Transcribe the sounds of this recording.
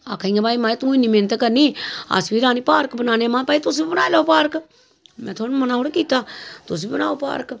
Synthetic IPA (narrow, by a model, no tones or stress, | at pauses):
a̰ːkʰaĩãbaːimaːet̪ũːĩnĩmeːnt̪akəɾniːa̰sʋiːɾaːnipaːɾkbənaːneamãːpaːit̪ʊsbibənaːjlaːopaːɾk | mɛ̃ːt̪ʰoːnmənaːɦoːɽekiːt̪aːt̪ʊs̬bibəna̰ːopa̰ːɾk